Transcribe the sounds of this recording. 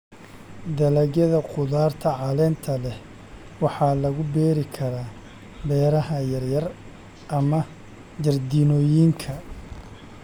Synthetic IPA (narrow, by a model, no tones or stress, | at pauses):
d̪ɐlɐɣjɐðɐqʊðaːrt̪ʰɐʕɑlɛːnt̪ʰɐlɛh | wɑħɑːlɐɣʊbɛːɾɪkʰɐɾaː | bɛːɾɐhɐjɐrjɐr | ʔɐmɐ | d͡ʒɐrd̪iːnɔːjiːŋkʰɐ